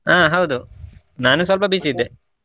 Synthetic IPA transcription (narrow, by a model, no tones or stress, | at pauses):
aːɦɐwd̪u | naːnusɐlpɐbisid̪ːe